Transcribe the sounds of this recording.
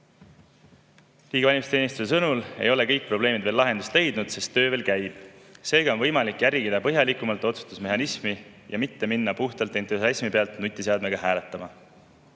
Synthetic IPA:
liːɡevɑlʲimist̪eːnist̪use̞sɤnule̞̰jo̞le̞kɤjk̚ːpro̞b̥le̞ːmid̪̥ve̞lːɑɦe̞nd̪̥ust̪le̞jd̪nud̪̥sest̪ːø̞ːve̞ːlkæjb̥se̞ːɡ̥ɑo̞nvɤjmɑlikːjæɾʲiɡid̪̥ɑpɤɦjɑlikːˑumɑlt̪o̞t̪su̥st̪usme̞ɦɑnismi | jɑmit̪ːe̞minːɑpuht̪ɑlt̪ːˑent̪esɑismipe̞ɑlt̪nut̪ʲːˑiseɑd̪me̞ɡ̥ɑɦæːlet̪ːˑɑmɑ

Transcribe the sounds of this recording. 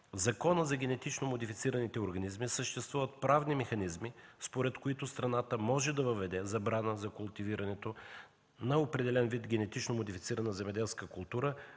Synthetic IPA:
zɐkɔnəzɐɡʲɛnɛt̪it͡ʃnomod̪ifit̪siɾɐnit̪ɛoɾɡɐnizmisəʃt̪ɛst̪vuvət̪̚pɾavnimɛxɐnizmispoɾɛt̪koit̪ʊst̪ɾɐnat̪əmɔʒɛd̪ɐvəvɛd̪ɛzɐbɾanəzɐkʊlˠt̪iviɾɐnɛt̪o | nɐopɾɛd̪ɛlɛnvid̪ɡʲɛnɛt̪it͡ʃnomod̪ifi̥t̪siɾəɐnɐzɛmɛd̪ɛlˠskəkʊlˠt̪uɾə

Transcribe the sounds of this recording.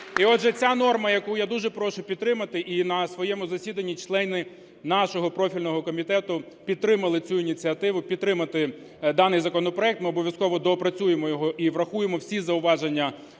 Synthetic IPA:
iɔdʒɛt͡sʲanɔrmɐjɐkujad̪uʒɛpɾɔʃʊpʲid̪t̪ɾɪmɐt̪ɪʔinɐsʋɔjɛmʊzɐsʲid̪ɐnʲːit͡ʃlˠɛnɪ | nɑʃɔɦɔpɾɔfʲilʲnɔɦɔkɔmʲit̪ɛt̪ʊ | pʲid̪̚t̪ɾɪmɐlˠɪt͡sʲuinʲit͡sʲiɐt̪ɪʋʊpʲid̪t̪ːɾɪmɐt̪ɪ | d̪ɑnɪjzɐkɔnɔpɾɔɛk̚t̪mɪɔbɔʋʲjɐskɔʋɔd̪ɔpɾɐt͡sʲujemɔjɔɦɔʔiʋɾɐxujemɔwsʲizɐʊʋɑʒenʲːɐ

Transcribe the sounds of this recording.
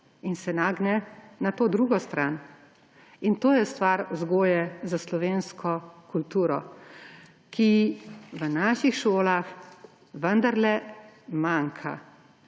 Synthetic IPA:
insɛnaːɡnɛnat̪oːd̪ɾuːɡɔst̪ɾan | int̪oːjɛst̪ʋaɾzɡoːjɛzaslɔʋeːnskʰɔkult̪uːɾɔ | kʰiʋənaːʃixʃoːlax | ʋənd̪aɾlɛmaːŋkʰa̰

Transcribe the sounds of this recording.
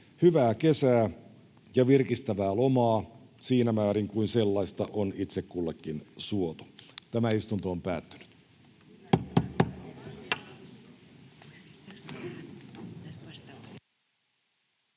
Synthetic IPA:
hyʋæːke̞sæː | jɑʋirkist̪æʋæːlomɑːsiːnæmæːɾiŋkuinse̞lːɑist̪ɑʔonit̪sekkulːekːinsuot̪o̥t̪æmæist̪unt̪oːmpæ̰ːt̪ːy̥ny̥t̪

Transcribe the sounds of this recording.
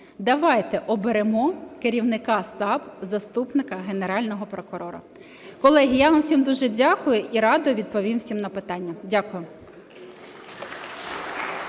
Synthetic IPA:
d̪ɐʋɑjt̪ɛʔɔbeɾemɔkeɾʲiwnɪkɑsɑbzɐst̪upnɪkɐɦeneɾɑlʲnɔɦɔpɾɔkʊɾɔɾɐ̰ | kɔlˠɛɦʲijamsʲimd̪uʒɛdʲakʊjʊʔiɾɑd̪ɔʋʲid̪̚pɔʋʲimwsʲimnɐpɪt̪ɑnʲːɐdʲakʊjʊ

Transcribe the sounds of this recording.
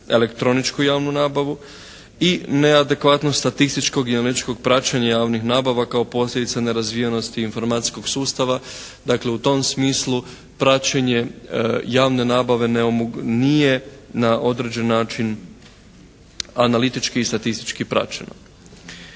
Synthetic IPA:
ele̞kt̪ɾo̞nit͡ʃkujaːʋnunaːbaʋu | ine̞ad̪e̞kʋat̪nost̪at̪ist̪it͡ʃko̞ɡianalit̪i̥t͡ʃko̞ɡ̚pɾat͡ɕaɲajaːʋnixnaːbaʋakaopo̞slʲjed̪it̪sane̞ɾazʋijeno̞st̪iːnfo̞ɾmat̪i̥sko̞ɡsuːst̪aʋa | d̪akle̞ut̪o̞msmiːslu | pɾat͡ʃeɲe̞jaːʋne̞naːbaʋe̞neomnije̞naʔo̞d̪ɾe̞d͡ʑe̞nːaːt͡ʃin | analit̪it͡ʃkiːst̪at̪ist̪i̥t͡ʃkipɾa̰t͡ɕḛno̞̰

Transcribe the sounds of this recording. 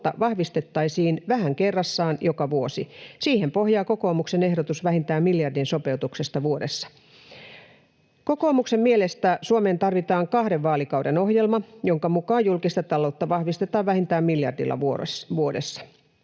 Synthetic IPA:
t̪ːɑ̰ʋɑhʋist̪et̪ːɑisiːnʋæhæŋkerːɑsːɑːnjokɑʋuosisiːhempo̞hjɑːko̞ko̞ːmukse̞ne̞hɾot̪usʋæhint̪æːmmiljɑrdinso̞pe̞ut̪uksest̪ɑʋuodesːɑ̥ | ko̞ko̞ːmuksemmielest̪æsuome̞ːnt̪ɑrʋit̪ɑːŋkɑhɾeʋʋɑːlikɑwdeno̞hjelmɑjoŋkɑmukɑːjjulkist̪ɑt̪ɑlo̞ut̪ːɑʋɑhʋist̪et̪ɑːʋʋæhint̪æːmmiljɑ̰rdḭlːɑ̰uʋuodḛsːɑ̥

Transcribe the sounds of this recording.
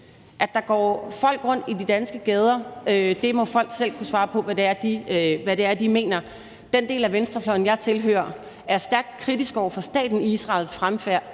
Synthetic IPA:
ʔæ̥ɑ̈ɡ̥ɒ̰ːfɒ̽l̰ɡ̥ʁɔ̽n̰d̥id̥id̥ænsɡ̥əɡ̥eːð̞ˠɐød̥e̝mɒ̽fɒ̽l̰ɡ̥sel̰kʰusʋɑ̈ːpʰɒ̽ʋæd̥e̝æɐd̥iʋæɾe̝æɐd̥ime̝̰ːnɐ | d̥end̥e̝̰ːlæʋensd̥ʁɐflɒ̽ɪn̩jɑ̈ɪt͡sʰe̝lɦø̰ːɐ | æɐsd̥æɐɡ̥̚d̥̚kʰʁid̥isɡ̥ɒʊ̰ɐfɒ̽sd̥ɛ̰ːd̥n̩iisʁɑ̈lsfʁamfæɐ̰

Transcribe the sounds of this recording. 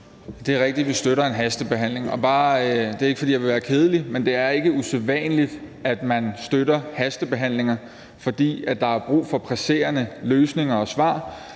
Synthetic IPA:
d̥e̝æɐʁeɡ̥̚d̥id̥ʋisd̥øɾɐe̝nɦæsd̥əb̥e̝ɦæn̰le̝ŋɒ̽b̥ɑ̈ːd̥e̝ɐeɡ̥əfɒ̽dḭːjɑ̈ʋe̝ʋæːɐkʰe̝ːð̞ˠlimend̥e̝æɐe̝ɡ̥əuseðˠʋɛ̰ːnəlid̥ | æd̥mænsd̥øɾɐhæsd̥əb̥e̝ɦæn̰le̝ŋɐ | fɒ̽d̥ḭːæd̥ɑ̈æɐb̥ʁṵːfɒ̽pʰʁæse̝̰ːɐnəløːsne̝ŋɐɒ̽sʋɑ̰̈ː

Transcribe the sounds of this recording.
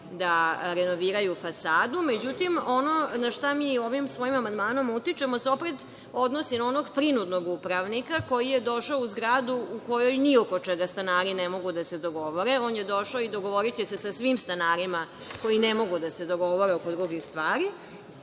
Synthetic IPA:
d̪aɾenoʋiːɾajufasaːd̪ume̞d͡ʑut̪imo̞no̞naʃt̪amiːo̞ʋimsʋo̞jimamand̪maːno̞mut̪it͡ʃemosopɾed̪ | o̞d̪nosinao̞no̞ɡpɾinud̪no̞ɡupɾaʋnikako̞jijed̪o̞ʃaouzɡɾaːd̪uuko̞jo̞jniokot͡ʂɛɡast̪anaːɾinemo̞ɡud̪ased̪o̞ɡo̞ʋoɾeo̞ːnjed̪o̞ʃaoid̪o̞ɡo̞ʋo̞ɾit͡ɕese̞sasʋimst̪anaːɾima | ko̞jinemo̞ɡud̪ase̞d̪o̞ɡo̞ʋo̞ɾeoko̞d̪ɾuɡixst̪ʋaːɾi

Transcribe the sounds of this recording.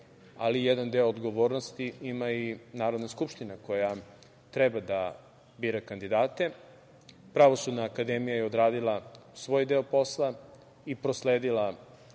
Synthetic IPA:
alijed̪and̪eoːd̪ɡo̞ʋo̞ːɾnost̪iimainaːɾod̪naskupʃt̪inako̞ja | t̪ɾebad̪a | biːɾakand̪id̪aːt̪e̞ | pɾaʋo̞sud̪naːkad̪emijajeod̪ɾaːd̪ilˠasʋo̞ːjd̪e̞opo̞slˠa | ipɾosleːd̪ilˠa

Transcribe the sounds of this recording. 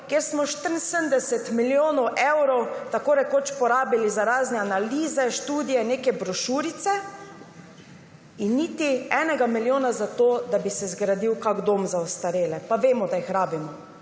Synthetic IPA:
keːɾsmɔʃt̪əɾn̩sənd̪ɛsɛt̪miljoːnɔwʔɛwɾɔwt̪akoɾɛkoːt͡ʃpɔɾaːbilizaɾaːznɛanaliːzɛʃt̪uːd̪ijɛneːkɛbɾɔʃuːɾit̪sɛ | inːiːt̪iɛːnɛɡamiljoːnazat̪oːd̪abisɛzɡɾad̪iwkaɡd̪oːmzaɔst̪aɾeːlɛpaʋeːmɔd̪aixɾaːbimɔ

